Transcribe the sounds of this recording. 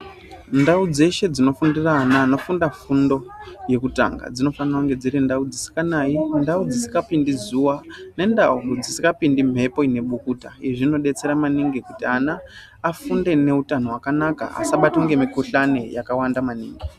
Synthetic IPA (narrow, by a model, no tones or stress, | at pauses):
ndaud͡ze̞ʃe̞d͡zino̞fundiraːnaːno̞fundafundo̞je̞kuta̰ŋɡa̰d͡zino̞fanrakuŋɡe̞d͡ziɾindaud͡zisi̥kanaːjindaud͡zisi̥kapindizuwane̞ndaud͡zisikapindim̤e̞po̞ine̞ɓukuːtaeʐino̞ɗe̞t͡se̞ɾamaniŋɡikutianaː | funde̞ne̞utano̞ɦwakanaka̰a̰saɓataŋɡe̞mikuɬane̞jakawandamaniːŋɡi